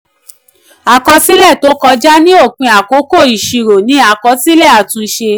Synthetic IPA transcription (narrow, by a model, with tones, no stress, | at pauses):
a˨kɔ˧si˦lɛ˦˨to˨˦kɔ˧d͡ʒa˦nĩ˦o˦˨k͡pĩ˨˧a˨ko˨˦ko˦˨i˨ʃi˧ɾo˨nĩ˨˦a˦˨kɔ˧si˦lɛ˦˨a˨tũ˧i˧ʃe˧